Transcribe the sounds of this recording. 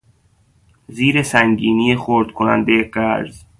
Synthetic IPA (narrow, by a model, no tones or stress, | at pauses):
ziːɾesæŋɡiːnijexoɾd̪̥̚kʰonæ̰nd̪ejeɢæɾz